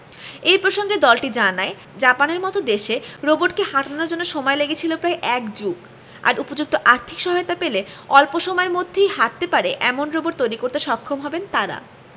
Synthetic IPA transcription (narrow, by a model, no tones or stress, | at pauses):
ejpɾoʃoŋɡed̪ɔlʈid͡ʑanae | d͡ʑapaneɾmɔt̪od̪eʃeɾoboʈkehaʈanaɾd͡ʑonːoʃɔmɔeleɡet͡ɕʰilopɾajʔɛkd͡ʑuk | a̰ɾʔupod͡ʑuk̚t̪oʔaɾt̪ʰikʃɔɦɔet̪apeleɔlpoʃomɔeɾmod̪ʱːejɦaʈ̚t̪epaɾeʔɛmonɾoboʈ̚t̪ojɾikoɾt̪eʃɔkʰːomɦɔbent̪aɾa̰